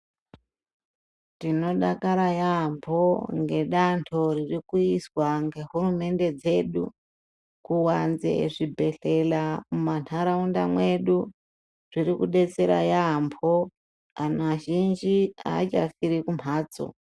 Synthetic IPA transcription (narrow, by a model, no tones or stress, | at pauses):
tino̞ɗakaɾajampʰo̞ŋɡe̞ɗantʰo̞ririkuiswaŋɡe̞ɦurume̞nde̞d͡ze̞ɗṵ | kuwanzḛʐibʱe̞ɬe̞lamumanʰaɾaundamwe̞ɗu | ʐiɾikuɗe̞t͡se̞ɾa̰jambʰo | anaʒind͡ʒia̰ːt͡ʃa̰fiɾikumaːt͡so̰